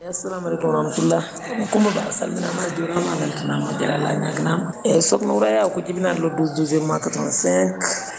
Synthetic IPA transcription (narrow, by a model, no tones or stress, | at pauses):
jasalamalekumɾahmatulːa | mukũmbɛbasa̰lminamadoɾamamalkanamad͡ʒɛ̰ɾa̰la̰ɲa̰ɡinamaɛsɔknawuɾajakud͡ʒibinadloduzduzeɾmakatɔɔ̃sɛ̃ŋk